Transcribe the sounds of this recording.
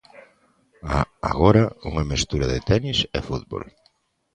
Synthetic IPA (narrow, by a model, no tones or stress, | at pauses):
aa̰ɣoɾauŋamest̪uɾaðɪt̪ɛnisɛ̰fut̪̚bo̰l